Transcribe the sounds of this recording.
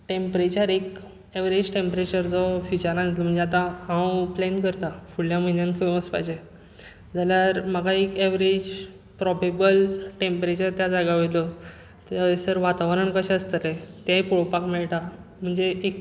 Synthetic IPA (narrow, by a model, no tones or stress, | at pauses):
ʈempɾet͡ɕəɾek | eʋɾed͡ʑʈempɾet͡ɕəɾd͡zɔfjut͡ɕəɾnanit̪lɔm̤əɳd͡zeat̪aãwplenkəɾt̪afuɭjaməinjãnkʰupəspa̰jd͡ʑe | d͡zaljaɾməɡaekeʋɾed͡ʑ | pɾɔbebəlʈẽmpɾet͡ɕəɾt̪jad͡zaɡaʋilɔ | t̪asəɾʋat̪aʋɾəɳkəɕɛəst̪ət̪et̪japuɭpakmɛɭʈam̤əɳd͡zeʔːk